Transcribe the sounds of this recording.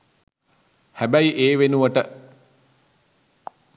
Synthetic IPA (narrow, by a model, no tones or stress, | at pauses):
hæbæiʔeːʋenuʋəʈə